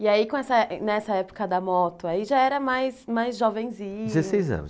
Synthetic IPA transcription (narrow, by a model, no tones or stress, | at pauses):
iaikkõɛsɐnɛsɐɛpʊ̥kɐd̪ɐmɔt̪ʊaiʒaɛɾɐmajsmajzʒɔvẽj̃zĩd͡ʒzessejzɐ̰̃nʊ̰s